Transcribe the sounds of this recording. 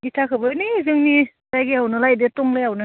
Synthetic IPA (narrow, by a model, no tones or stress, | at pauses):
itʰakʰɯbɯnizɯŋni | zajɡeawnɯlajdetɔŋlɯjawnɯ